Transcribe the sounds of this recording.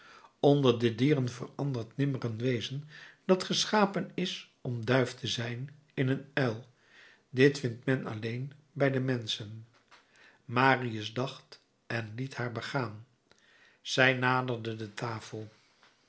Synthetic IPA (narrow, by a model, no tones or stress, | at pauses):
ɔndəɹdədiːrənvə̰rɑndəɹtnɪmərənʋejzənd̥ɑtχəsχaːpənɪs | ɔmdœɥftəzɛjn | ɪnənɛlˠ | dɪtfɪntmɛnɑ̰lejn | bɛjdəmɛnsən | maːriəzdɑχt | ɛnlithaːɹbəχaːn | z̥ɛjnaːdərdədətʰaːfəlˠ